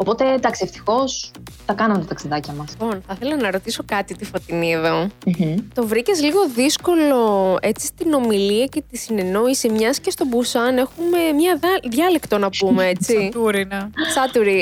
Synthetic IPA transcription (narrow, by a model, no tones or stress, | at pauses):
o̞po̞t̪e̞d̪ɐksieft̪i̥xo̞sθɐkɐnɐmet̪ot̪ɐksiðɐciɐmɐspo̞nθɐθe̞lɐnɐɾo̞t̪iso̞kɐt̪it̪ifot̪inie̞ðo̞m̩t̪o̞vɾicezliɣo̞ðisko̞lo̞e̞t͡sist̪ino̞miliɐcet̪isine̞no̞isimɲɐscest̪o̞busɐne̞xume̞mɲɐðɐðjɐlekt̪o̞nɐpumeet͡sit̪uɾinesɐt̪uɾi